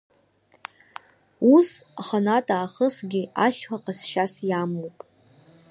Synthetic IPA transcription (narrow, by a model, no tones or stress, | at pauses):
usaχanatʼaːχəsɡʲɪaʃħʷaqʼasʃasjamowpʼ